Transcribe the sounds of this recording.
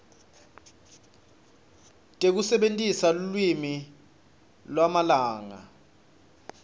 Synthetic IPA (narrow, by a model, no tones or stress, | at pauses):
tʼek̬usɛɓentʼisalulwimi | lwamalaːŋa̰